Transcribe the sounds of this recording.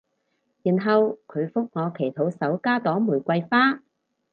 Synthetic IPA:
jiː˨˩nɦɐ˨wkʰɵ˨˧ɥfʊ˥k̚ŋɔː˨˧kʰe˨˩jt̪ʰo˨˥wsɐ˨˥wkaː˥t̪ɔː˨˥ŋmuː˨˩jkʷɐ˧jfaː˥

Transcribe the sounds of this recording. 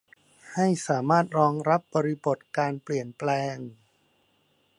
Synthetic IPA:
ha˥˩jsaː˩˦maː˥˩t̪̚ɾɔː˧ŋɾa˦˥p̚bɔː˧ɾi˦˥bo˨˩t̪̚kaː˧npli˨˩ənplɛː˧ŋ

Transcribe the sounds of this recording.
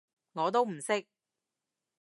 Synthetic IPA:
ŋɔː˨˧t̪̬o˥wm̩˨˩sɪ˥k̚

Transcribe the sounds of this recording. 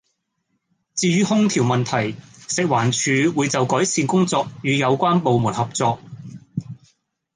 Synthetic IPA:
t͡siː˧jyː˥hʊ˥ŋt̪ʰiː˨˩wmɐ˨nt̪ʰɐ˨˩jsɪ˨k̚waː˨˩nt͡ʃʰyː˨˧wuː˨˧jt͡sɐ˨wkɔː˨˥jsiː˧nkʊ˥ŋt͡sɔː˧k̚jyː˨˧jɐ˨˧wkʷaː˥npo˨wmuː˨˩nhɐ˨p̚t͡sɔː˧k̚

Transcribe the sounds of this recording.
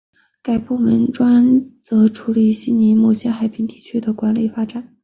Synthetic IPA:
ka˨˩ɪpu˥˩mə˧˥nʈ͡ʂwa˥nt͡sɤ˧˥ʈ͡ʂʰu˧˥li˨˩ɕi˥ni˧˥mɔ˥˩ɕjɛ˥xa˨˩ɪpʰi˧˥ŋt̪i˥˩t͡ɕʰy˥d̪ə˨kwa˧˥nli˨˩fa˥ʈ͡ʂa˨˩˦n

